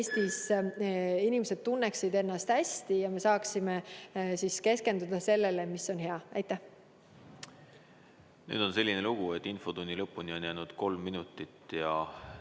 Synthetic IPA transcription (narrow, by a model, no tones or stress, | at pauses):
est̪is | inimese̞d̪̥̚t̪unːeksid̪e̞nːɑst̪hæst̪ijɑme̞sɑːksimesiske̞ske̞nd̪ud̪̥ɑse̞lːe̞le̞misːo̞nɦeɑæ̰jt̪ːˑæh | ny̰ːd̪̥o̞nse̞lʲːineluɡ̥uet̪ːinfo̞t̪unʲːilɤpːˑunio̞njæːnud̪̥ko̞lmːinut̪ːˑit̪ːjɑ